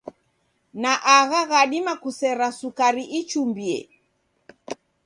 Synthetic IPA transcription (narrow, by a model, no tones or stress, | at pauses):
naʔaɣaɣaɗimakusɛɾasukaɾiʔit͡ʃumbiɛ̰